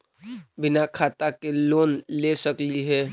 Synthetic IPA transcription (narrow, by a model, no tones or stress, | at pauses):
bɪnakʰaːt̪akeloːnlesəkliɦɛː